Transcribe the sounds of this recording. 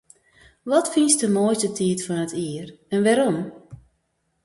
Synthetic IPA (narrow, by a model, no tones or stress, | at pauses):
ʋɔtfinsdəmojstətʰiətfɔnətʰiːərɛnʋɛɾom